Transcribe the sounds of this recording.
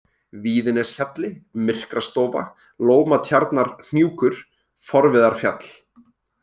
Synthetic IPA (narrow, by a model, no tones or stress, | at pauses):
viːðɪnɛsçat̪lɪmɪr̥kɾast̪oːva̰ | loːwmat̪ʰjaɾt̪naɾ̥n̥juːkʏɾ̥ | fɔɾvɪðaɾ̥fja̰t̪l̥